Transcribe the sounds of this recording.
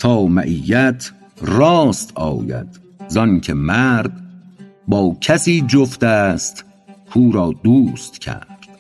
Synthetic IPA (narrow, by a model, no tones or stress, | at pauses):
t̪ʰɒːmæʔijæt̪ʰ | rɒːst̪ɒ̰ːjæ̰d̪̥ | zɒncʰemæɾd̪ | bɒːcʰæsiːd͡ʒoft̪æst̪ | kʰuːɾɒːd̪uːst̪cʰæ̰ɾd̪̥